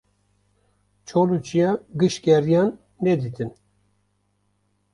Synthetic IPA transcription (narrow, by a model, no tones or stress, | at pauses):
t͡ʃʰolut͡ʃijɑɡɨʃkʲɛɾijɑnː | ɛd̪it̪ʰɨn